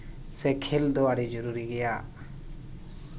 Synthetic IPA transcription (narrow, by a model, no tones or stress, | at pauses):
sɛkʰɛld̪ɔaɽɛd͡ʒɔɾuɾiɡɛjaʔ